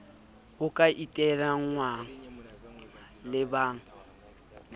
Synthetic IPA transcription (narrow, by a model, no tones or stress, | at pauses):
hʊkʼaʔitʼɛraŋ̩ŋwaŋ̩ | lɪbaːŋ̩